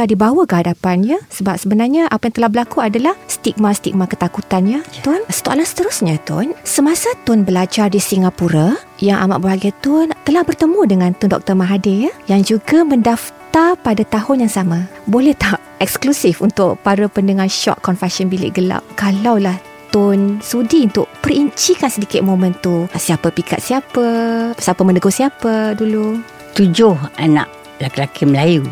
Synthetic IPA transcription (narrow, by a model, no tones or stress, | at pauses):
aʔdibawakəɦadapanjasəbap̚səbənarɲaʔapajaŋt̪əlahbəlakuadalahst̪ik̚mast̪ḭk̚mãkət̪akut̪anjat̪ʊnsə̥t̪oʔalahsə̥t̪əɾusɲat̪ʊ̰nsəmasat̪ʊnbəlad͡ʒardisiŋɡapuɾajaŋʔa̰ma̰ʔbəbaɡat̪ʊnt̪əlahbərt̪əmũdəŋãnt̪ʊndɔ̰k̚t̪ərmaɦadejajaŋd͡ʒuɡaməndaft̪arpadat̪aɦʊnjaŋsamãbolɛht̪aʔ | ɛksklusɪfunt̪ʊʔpaɾapəndəŋanʃɔ̰ʔkɔnfɛsɔnbilɪ̰ʔɡəla̰ʔ̚kalawlah | t̪ʊnsudiunt̪ʊʔ̚pəriɲt͡ʃikansədikɪt̪̚momə̃nt̪usiapapika̰t̪̚siapasiapəmə̃nəɡosiapadulu | t̪ud͡ʒʊhanã̰ʔ | lakilakiməlaju